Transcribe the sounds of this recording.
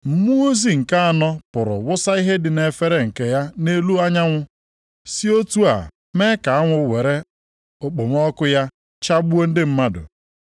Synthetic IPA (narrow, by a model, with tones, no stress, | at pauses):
m̩˦mu˦o˦zi˨ŋ̩˨ka˦a˨nɔ˦pʊ˨ɾʊ̰˨wʊ˦sa˦i˦ɦe˦dɪ˨ne˨fe˦ɾe˦ŋ̩˨ke˨ja˦ne˦lu˦a˦ɲa˦ŋʷʊ˦ | si˦o˦tu˦a̰˨ | me˦ka˨a˦ŋʷʊ˦we˨ɾe˦ | ʊ˨k͡po˨m˦ɔ˦kʊ˦ja˦ | t͡ʃa˦bu˦o˦n̩˦dɪ˦m̩˦ma˦dʊ̰˨